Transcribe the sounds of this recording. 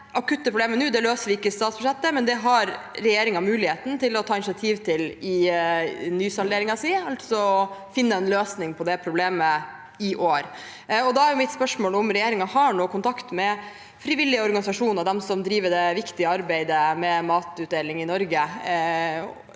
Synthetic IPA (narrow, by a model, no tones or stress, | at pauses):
ʔɑkʉt̪ːəpʰɾʊbleːmənʉːd̪ɛløːsəʋɪɪkːəst̪ɑːt̪sb̥ʉʂɛt̪ːəmɛnd̪ɛɦɑɾː | ɛjeːɾɪŋɑmʉːlɪheːt̪n̩t̪ʰɪlɔt̪ʰɑːɪnsɪɑt̪ʰiːʋt̪ʰɪlɪ | nyːsɑld̪eːɾɪŋɑsiːɑlt̪sɔɔfɪnːəɛnløːsnɪŋpʰɔd̪ɛpʰɾʊbleːmə | ɪʔoːɾ | ɔd̪ɑæɾjʊmɪt̪spœʂmoːlʊmɾɛjeːɾɪŋɑhɑɳoːkʊnt̪ʰɑkt̪mɛ | fɾiʋɪlːɪəɔɾɡɑnɪsɑʂuːnəɾd̪ɛmsɔmd̪ɾiːʋəɖɛʋɪkt̪ɪəɑɾbæɪd̪əmɛmɑːt̪ʉːt̪̚d̪eːlɪŋɪnɔɾɡə